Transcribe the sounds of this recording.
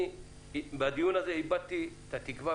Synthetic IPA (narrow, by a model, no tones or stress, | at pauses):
bɐd̪ɪjunɐsɛɪbːɐt̪ːɪ | t̪ɐt̪ɪkːɪfɐ